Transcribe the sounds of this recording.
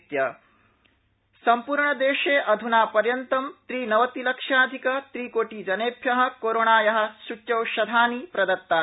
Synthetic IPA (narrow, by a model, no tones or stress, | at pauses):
t̪jɐ | sɐmpuːɾɳɐd̪eːʃeːʔɐd̪ʱunaːpɐɾjɐnt̪ɐmt̪ɾiːnɐʋɐt̪ilɐkʂaːd̪ʱikɐt̪ɾiːkoːʈiːd͡ʒɐneːpʰjɐɦɐ̆koːɾoːɳaːjɐɦɐ̆sutjɐwʃɐd̪ʱaːnipɾɐd̪ɐt̪ːaː